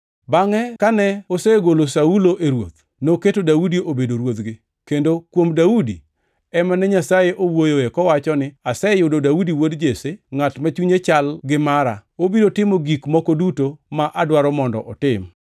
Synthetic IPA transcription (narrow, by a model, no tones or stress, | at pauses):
baŋɛkanɛoseɡolosauloʔeɾwo̰t̪̚ | noketodaudiobedoɾwot̪ɡɪ | kendokwomdaudi | ɛmanɛɲasajeʔowojoekɔwat͡ʃɔnɪasɛjʊdodaudiwodd͡ʒeseŋatmat͡ʃuɲet͡ʃalɡɪmaɾa̰obidotɪmoɡikmɔkodutomaʔadwaɾɔmɔndɔ̰ʔɔtɪm